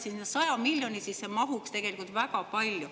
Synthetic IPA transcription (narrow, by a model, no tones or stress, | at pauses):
sisnesɑjɑmilʲjo̞nisisːemɑɦukst̪e̞ɡ̥e̞likult̪vækɑpɑlʲju